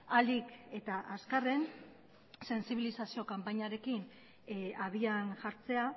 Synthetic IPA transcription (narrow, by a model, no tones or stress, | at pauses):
ald̪ike̞t̪aʔaskare̞n | se̞nsiβilisasio̞kampaɲaɾe̞kin | aβianʝaɾt͡se̞a